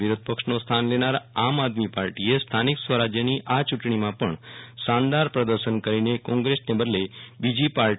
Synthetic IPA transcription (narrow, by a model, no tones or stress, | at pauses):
ʋiɾʊd̪̚pəkʃnost̪ʰanlenaɾamad̪mipaɾʈiest̪ʰaniksʋəɾad͡ʒjəniʔat͡ʃuʈɳimãpəɳʃãnd̪aɾpɾəd̪əɾʃənkəɾinekɔ̃ŋɡɾesnebəd̪lebid͡ʒipaɾ